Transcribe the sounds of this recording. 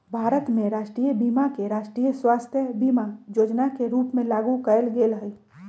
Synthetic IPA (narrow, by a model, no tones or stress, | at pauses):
bʱaːɾət̪mẽɾaːʃʈɾiːjəbiːmakeɾaːʃʈɾiːjəswaːst̪ʰjəbiːmajoːd͡ʒnakeɾuːpmẽlaːɡukəəlɡeːlɦəi